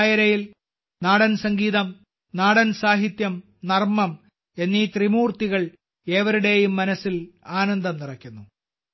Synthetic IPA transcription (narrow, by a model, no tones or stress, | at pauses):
jɐɾɐjil | naːɽɐnsɐŋɡiːðɐm | naːɽɐnsaːɦit̪jɐm | nɐrmɐm | e̞nːit̪rimuːrt̪iɣɐɭ | e̞ːʋɐɾuɽe̞jumːɐnɐsilaːnɐnd̪ɐmnirɐkʲːunːu